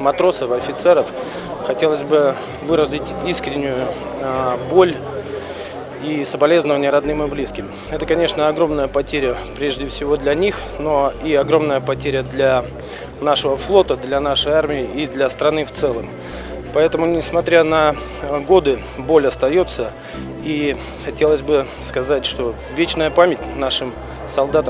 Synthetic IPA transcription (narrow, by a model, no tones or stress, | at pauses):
mɐt̪ɾo̞səfɐfʲɪt̪sɛɾəf | xɐtʲe̞lˠəzʲbɨ | vɨɾəzʲlʲɪtʲiskɾʲɪnʲːʊjʊ | bo̞lʲ | isəbɐlʲe̞znəvənʲɪɾɐd̪nɨmɨblʲiskʲɪm | ɛt̪əkɐnʲe̞ʂnəɐɡɾo̞mnəjəpɐtʲeɾʲɪjə | pɾʲeʐdʲɪfsʲɪvo̞d̪lʲɐnʲix | no̞iɐɡɾo̞mnəjəpɐtʲeɾʲəd̪lʲa | naʂəvəflˠo̞t̪əd̪lʲɐn̪aʂəjarmʲɪɪid̪lʲɐst̪ɾɐnɨft̪sɛlˠəm | pɐɛt̪əmʊnʲɪsmɐt̪ɾʲanɐ | ɡo̞d̪ɨ | bo̞lʲɐst̪ɐjo̞t̪sə | i | xɐtʲe̞lˠəzʲbɨ | skɐzatʲʂt̪o̞ | vʲet͡ɕnəjəpamʲɪtʲnaʂɨm | sɐlˠd̪at̪ə